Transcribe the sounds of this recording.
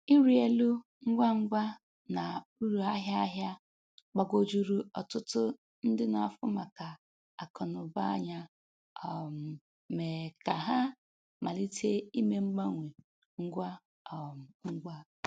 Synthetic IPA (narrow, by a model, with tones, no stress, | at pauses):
i˦ɾi˨e˦lu˦ | ŋ̩˦ɡʷa˦ŋ͡m̩˦ɡʷa˦ | na˨u˦ɾu˨a˦ɦja˦ɦja˦ | k͡pa˨ɡo˦d͡ʒu˦ɾu˦ɔ˨tʊ˦tʊ˦ | n̩˦dɪ˦na˨˦˨fʊ˦ma˨ka˨ | a˨kʰɔ˨nʊ˨ba˦ɲa˦ | ɔ˨m̩˨ | me˨ka˨ɦa˦ | ma˨li˦te˦i˦me˦ŋ͡m̩˦ɡ͡ba˦ŋʷe˨ | ŋ̩˦ɡʷa˦ | ɔ˨m̩˨ŋ͡m̩˦ɡʷa˦